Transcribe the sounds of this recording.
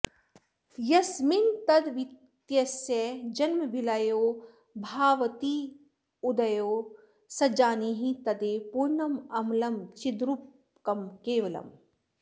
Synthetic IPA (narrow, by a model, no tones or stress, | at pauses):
jɐsmint̪ɐd̪ʋi | t̪jɐsjɐd͡ʒɐnmɐbʱilajoː | bʱaːʋɐt̪iː | ud̪ɐjoː | sɐd͡ʒaːniɦit̪ɐd̪eːpuɾnɐmɐmlɐmt͡ʃid̪ɾup | kɐmkeːʋɐlɐ̰m